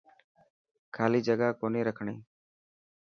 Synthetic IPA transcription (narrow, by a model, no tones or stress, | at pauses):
kʰaːliːd͡ʒəɡaːkoːniːɾəkʰɳḭː